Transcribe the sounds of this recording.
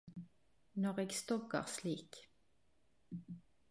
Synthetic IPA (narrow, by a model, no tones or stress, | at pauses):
nɔʁeːɡst̪ɔɡə̰ʁsliːk